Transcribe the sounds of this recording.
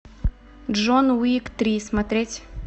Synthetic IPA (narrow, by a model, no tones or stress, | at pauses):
ʐonwikt̪ɾʲismɐt̪ɾʲetʲ